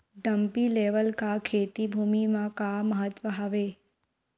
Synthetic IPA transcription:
ɖəmpileʋəlkakʰet̪ibʱumimãkaməɦət̪ʋəɦaʋe

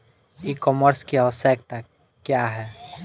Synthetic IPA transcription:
ikɔːməɾskeəʋəsəkʰt̪akː | jaɦɛː

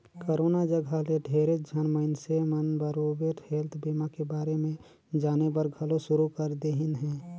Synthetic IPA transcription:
koɾoːnad͡ʒəɡʱaleɖʱeːɾed͡ʒʱənməɪnsemənbəɾoːbeʈheːlt̪ʰbimakebaːɾemẽ | d͡ʒaːnebəɾɡʱəloʃʊɾukəɾd̪eɦɪnɦɛ̃ː

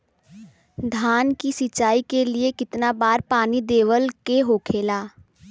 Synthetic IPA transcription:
d̪ʱaːnkisɪt͡ʃaːikeliekɪt̪nabaːɾpaːnid̪eːʋəlkeɦoːkʰeːlaː

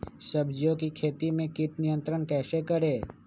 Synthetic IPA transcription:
səbd͡ʒjõkikʰeːt̪imẽkɪʈnɪjə̃nt̪ɾəɳkɛːsekəɾeː

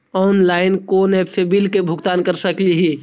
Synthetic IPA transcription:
ɔːnlaːɪnkonepʰebilkebʱʊɡt̪aːnkəɾsəkliɦi

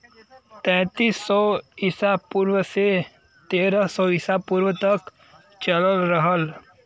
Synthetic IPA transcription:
t̪ɛ̃ːt̪iːsːɔɪsapuːɾwəse | t̪eːɾəsɔɪsapuːɾwət̪ək | t͡ʃələlɾəɦəl

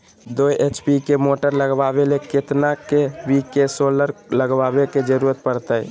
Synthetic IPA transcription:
d̪ojet͡ʃpikemoʈəɾləɡbabeleket̪nakebikesoləɾləɡbabeked͡ʒəɾuɾət̪̚pəɾt̪əj

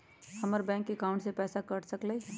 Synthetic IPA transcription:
hɐməɾbɛ̃ːŋkːekaʊɳʈsepɛːsakəʈsəkle

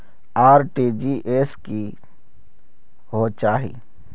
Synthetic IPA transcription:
aːɾʈid͡ʒiːʔeːski | ɦot͡ʃaːɦḭ

